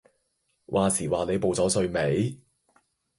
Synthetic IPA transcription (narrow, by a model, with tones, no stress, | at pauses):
wʔaː˨siː˨˩waː˨ne˨˧jpo˨wt͡sɔː˨˥sɵ˧ɥme˨˥j